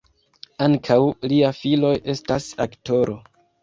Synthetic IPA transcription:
aŋkʰawliafilo̞jʔe̞stasakto̞ɾo̞

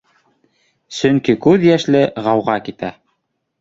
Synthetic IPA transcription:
sɵ̆ŋkikʉðjæʃlɘʁɑwʁɑkit̪æ̰

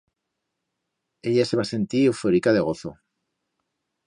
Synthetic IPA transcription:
eʎase̞βase̞nt̪iewfoɾikaðe̞ɣ̞o̞θo̰

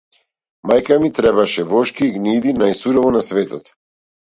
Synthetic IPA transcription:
majkamit̪ɾɛbaʃɛvɔʃkiːɡnid̪inajsuɾɔvɔnasvɛt̪ɔt̪

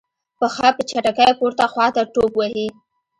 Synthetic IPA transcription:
pəxɑpət͡ʃaʈakajpuɾt̪axwɑt̪aʈobwahi

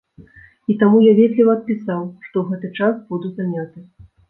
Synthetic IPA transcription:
it̪amujavʲɛd̪ʲlʲivɐːt̪̚pʲisawʂt̪ɔwɣɛt̪ɨt͡ʂasbud̪uzanʲat̪ɨ

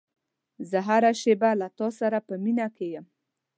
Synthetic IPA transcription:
zəɦaɾaʃebalat̪ɑsaɾapəminakejəm

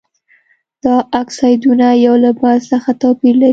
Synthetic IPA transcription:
d̪̥ɑaksɑjd̪unajawlabazsəxat̪ɑpiɾla

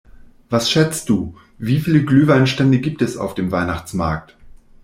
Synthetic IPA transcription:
vasʃɛt͡st̚d̥uː | viːfiːləɡlyːvaɪnʃtɛndəɡiːp̚tɛsa̰ʊfd̥eːmvaɪnaχt͡sma̰ɐk̚t

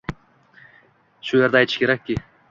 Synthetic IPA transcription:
ʃueɾd̪ɛɑjt̪ʰɯ̥ʃkʰʲeɾækʲːi

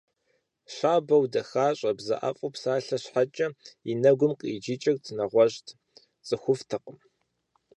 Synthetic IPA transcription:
ɕʷaːbɐwdɐxaːɕʼɐbzɐ̰ʔa̰fʼʊpsaːɬɐɕħat͡ʃʼɐinɐɡʷʊmqʼḭːd͡ʒit͡ʃʼɐrt͡sʰɨnɐʁʷɔʑtʰ | t͡sʼɨxʷʊftʰɨqəm

